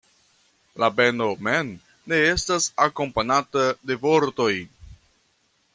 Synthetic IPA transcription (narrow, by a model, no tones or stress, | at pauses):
labe̞no̞menː | e̞e̞stasako̞mpanatade̞vo̞ɾto̞j